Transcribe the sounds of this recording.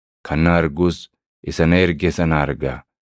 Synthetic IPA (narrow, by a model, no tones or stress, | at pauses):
kʰɐnːaːɐɾɡuːs | ʔɪsɐnɐɛɾɡɛsɐnaːɾɡa̰ː